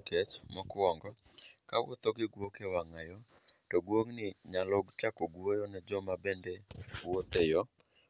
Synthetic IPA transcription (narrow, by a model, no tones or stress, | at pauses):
kɛt͡ʃmɔkɔŋɡɔ | kawo̰t̪ɔɡɪɡwokewaŋajɔ | tɔɡwoŋnɪɲaloɡt͡ʃakoɡwojɔnɛd͡ʒɔmabɛndɛwotejɔ